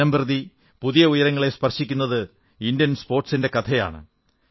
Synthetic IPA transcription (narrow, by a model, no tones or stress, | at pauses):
ɐmbrɨði | puðijɐujɐɾɐŋːɐɭe̞spɐrɕikʲːunːɐðɨ | indjɐnspo̞ːrʈsinde̞kɐt̪ʰɐja̰ːɳɨ̰